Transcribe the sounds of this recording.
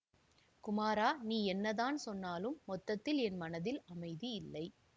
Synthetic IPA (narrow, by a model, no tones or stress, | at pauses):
kʊmaːɾaːniːɛnːɐðaːnsɔnːaːlɯmːɔt̪ːɐt̪ːɪlɛnmɐnɐðɪlɐmɐɪðiɪlːɐɪ